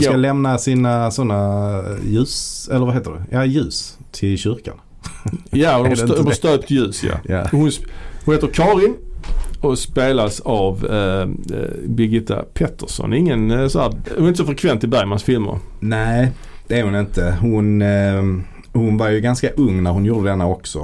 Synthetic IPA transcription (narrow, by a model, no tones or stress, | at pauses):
alɛmnasiːnasɔnːajʉ̟ːsɛlːəɾvaɦeːt̪ədʊ̰jajʉ̟ːs | t̪ʰɪlɕʏɾka̰n | jaʊdɔast̪øːp̚t̪jʉ̟ːsja̰hʊnhʊneːt̪əɾkʰɑːɾɪn | ɔspeːlasav | bɪɡɪt̪ːa̰pʰɛt̪ʰːəʂɔ̰nɪŋːənsɔhæːɾʊnɪnt̪əsɔfɾɛkʰvɛnt̪ɪlbæɾjmansfɪlmə̰ɾnæɪ | d̪̥ɛæɾhʊnɪnt̪əhʊn | hʊnvaɾjɵɡanskaʔɵŋːnæɾhʊnjuːd̪əd̪ɛnːaɔksɔ